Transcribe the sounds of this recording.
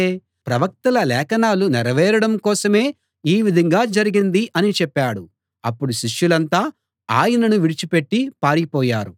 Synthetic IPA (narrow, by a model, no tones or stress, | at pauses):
eː | pɾɐʋɐk̚t̪ɐlɐlɛːkɐnaːlunɛɾɐʋɛːɾɐɽɐmkɔːsɐme̞ː | iːʋid̪ʱɐŋɡaːd͡ʒɐɾiɡind̪iʔɐnit͡ʃɛpːaːɽu | ɐpːuɽuʃiʂjulɐnt̪aː | aːjɐnɐnuʋiɽit͡ʃipe̞ʈːipaːɾipɔːjaːɾu